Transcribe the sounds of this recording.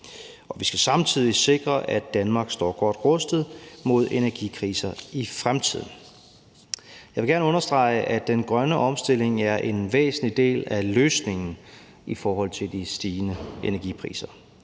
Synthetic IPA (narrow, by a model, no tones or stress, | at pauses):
ɒ̽ʋisɡ̥æsɑ̈mt͡sʰið̞ˠise̝ɡ̥ʁɐʔæd̥ænmɑ̈ːɡ̥sd̥ɒ̰ːɡ̥ɒd̥ʁɔsd̥ð̩ˠmo̝ð̞ˠe̝næɐɡ̥ikʰʁḭːsɐifʁamt͡sʰið̞̰ˠn̩ | jɑʋeɡ̥æɐnəɔ̽nɐsd̥ʁɑ̈ɪʔæd̥enɡ̥ʁɶnəʔɒ̽msd̥e̝le̝ŋæɐʔe̝nʋḛːsn̩lid̥e̝̰ːlæløːsne̝ŋn̩ | ifɒːɦɒ̽l̰t͡sʰe̝ld̥isd̥iːnəenæɐɡ̥ipʰʁḭːsɐ